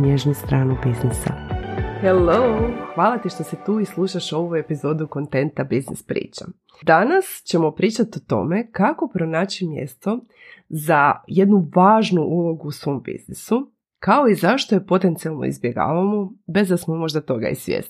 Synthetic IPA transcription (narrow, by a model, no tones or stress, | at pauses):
njeʒnust̪ɾaːnubiznisa̰heloxʋaːlˠat̪iʃt̪o̞set̪uːislˠuʃaʃo̞ʋuje̞pizo̞d̪uko̞nt̪e̞nt̪abiznḭspɾḭːt͡ɕa | d̪anast͡ɕe̞mo̞pɾiːt͡ʃat̪ot̪o̞̰me̞kako̞pɾo̞naːt͡ɕimjḛst̪o̞ | zaje̞d̪nuʋaːʒnuʔulˠo̞ɡuːsʋo̞mbḭznisu | kao̞izaʃt̪ojepo̞t̪e̞nt̪sialˠno̞̰ḭzbje̞ɡa̰ːʋamobe̞zd̪asmomo̞ʒd̪at̪o̞ɡa̰ḭsʋjḛz